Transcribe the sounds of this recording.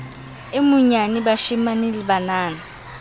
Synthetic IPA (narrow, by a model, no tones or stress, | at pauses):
ɪmʊɲanɪbaʃimanɪlɪbanaːna